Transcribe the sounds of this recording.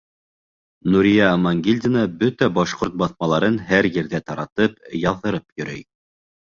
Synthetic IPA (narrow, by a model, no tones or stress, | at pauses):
nuɾʲijamaŋɡʲilʲd̪ʲinabɵt̪æbɑʃqoɾt̪̚bɑθmɑlˠɑɾɤnhæɾjɘ̆ɾðæt̪ɑɾɑt̪ɤpjɑðɤ̆ɾɤpjɵ̆ɾɵ̰j